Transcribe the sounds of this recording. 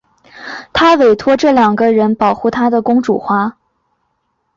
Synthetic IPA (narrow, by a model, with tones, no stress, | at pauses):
t̪ʰa˥we˨˩ɪt̪ʰwɔ˥ʈ͡ʂɤ˥˩ljɑ˨˩ŋɡə˧ɻə˧˥npɑ˨˩ʊxu˥˩t̪ʰa˥d̪ə˨kʊ˥ŋʈ͡ʂṵ˨˩xwa˥